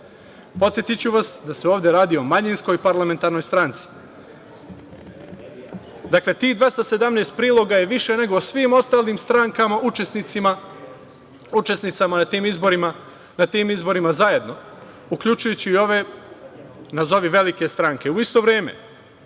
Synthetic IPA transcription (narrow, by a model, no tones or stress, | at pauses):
po̞t̪sjet̪it͡ɕuʋasd̪aseoːʋd̪jeɾaːd̪io̞maɲinsko̞jpaɾlˠame̞nt̪aɾno̞jst̪ɾant̪si̥ | d̪akle̞t̪iːhd̪ʋe̞st̪ase̞d̪amneːst̪̚pɾiːlˠo̞ɡaje̞ʋiʃe̞ne̞ɡo̞sʋiːmo̞st̪aːliːmst̪ɾaŋkamaʔut͡ʃe̞snit̪sima | ut͡ʃe̞snit̪samanat̪iːmizboɾima | nat̪iːmizbo̞ɾimazaje̞d̪no̞ | ukʎut͡ʃujut͡ɕiːo̞ʋe̞ | nazo̞ʋiʋe̞like̞st̪ɾaŋke̞uist̪o̞ʋɾeːme̞̰